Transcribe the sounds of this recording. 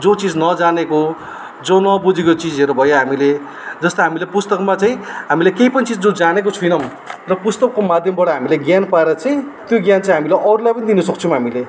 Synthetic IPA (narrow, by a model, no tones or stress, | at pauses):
d͡zot͡sid͡znʌd͡zaneko | d͡zonʌbud͡zekot͡sid͡zeɾobʱʌjoɦamile | d͡zʌst̪ʌɦamilepust̪ʌkmat͡sajĩɦamilekejpʌnit͡sid͡zd͡zod͡zanek̬ot͡sʰujnʌm | rʌpust̪ʌkːomad̪ʱjʌmbʌɽʌɦamileɡjanpaeɾʌt͡saĩt̪joɡjant͡saĩɦamileʔʌɾulajpʌnid̪inʌsʌk̚t͡sʰʌm̃ɦamile